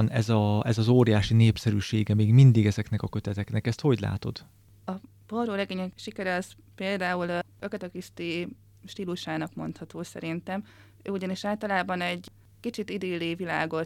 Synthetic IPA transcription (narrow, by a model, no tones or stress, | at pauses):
nɛ̰zɒɛzɒzoːɾijaːʃineːpsɛɾyːʃeːɡɛmeːɡmind̪iɡɛzɛknɛkɒkø̞t̪ɛt̪ɛknɛkɛst̪ho̞ɟla̰ːt̪o̞̰d̪̥ | ɒ | b̥oroːɾɛɡeːɲɛkʃikɛɾɛɒs | peːld̪aːuløkɛt̪ɛkist̪i | ʃt̪iːluʃaːnɒkmo̞̰nt̪hɒt̪oːsɛ̰ɾint̪ɛm | øːuɟɒniʃaːlt̪ɒlaːbɒnɛɟ | kit͡ʃit̪id̪eːliːvila̰ːɡo̞t̪